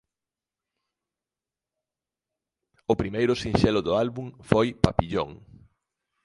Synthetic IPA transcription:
ʊpɾimejɾʊsinʃɛlʊðʊalβuŋfojpapiʎo̰ŋ

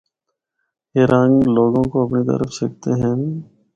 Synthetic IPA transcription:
eːɾʔãːŋɡloːɡõkoɐpnit̪ə̰ɾəfsɐk̚t̪eɦɛ̃ː

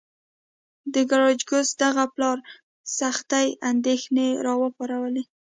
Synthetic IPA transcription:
d̪əɡaɾɑd͡ʒɡʊzd̪aɣaplɑɾ | saxt̪ajand̪exneɾɑwəpɑɾawəle

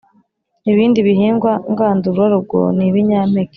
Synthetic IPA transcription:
iβiːndiβiɦiːŋɡwaŋɡaːnduɾuwaɾub̚ɡo̰niβiɲamek

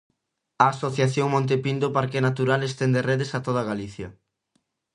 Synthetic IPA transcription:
ɐːsoθjaθjoŋmõnt̪̬epind̪opaɾkenat̪uɾalest̪eɛnd̪ereðesat̪oðaɣaliθjɐ

